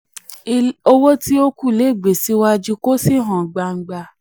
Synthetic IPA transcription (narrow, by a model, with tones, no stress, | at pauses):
o˧wo˦ti˦o˦ku˦˨le˨˦˨ɡ͡be˨si˨˦wa˧d͡ʒu˧ko˦si˦ɦɔ̃˨ɡ͡ba˧ŋ̩˧ɡ͡ba˧